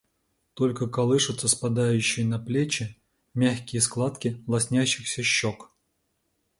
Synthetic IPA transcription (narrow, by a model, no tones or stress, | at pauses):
t̪olʲkəkɐlˠɨʂɨt̪sːəspɐd̪ajʉɕːɪjnɐplʲet͡ɕɪ | mʲæxʲkʲɪjəsklˠat̪kʲɪlˠɐsʲnʲæɕːɪxsʲəɕːok